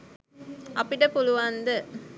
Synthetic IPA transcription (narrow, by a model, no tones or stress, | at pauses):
ʔɐpiʈɐpuluʋaːnd̪ə